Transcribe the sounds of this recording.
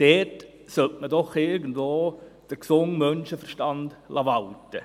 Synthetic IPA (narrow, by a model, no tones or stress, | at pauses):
d̥ɛːt | sœltmədɔχɪɾɡəndvoːd̥əɾksʊŋmœnʃəfəɾʃtɑndlʔɑʋɑltə